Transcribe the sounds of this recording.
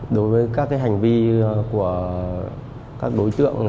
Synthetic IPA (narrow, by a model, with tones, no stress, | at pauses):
ɗo˨˦jvəː˨˦jkaː˦˥k̚ːaː˨˦jɦa˨˩jŋ̟vi˧ku˧˩ə | kaː˦˥k̚ɗo˨˦jt̪ɨ̰˧˨əŋ